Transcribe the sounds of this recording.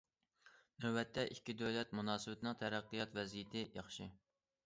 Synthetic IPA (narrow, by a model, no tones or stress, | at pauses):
nøbɛt̪ʰːɛʔikʲːid̪ølɛt̪̚munɑːsɨbɪt̪ʰɪnɨŋt̪ʰæɾæqːijɑt̪vɛzijɪt̪ʰɪjɑχʃɪ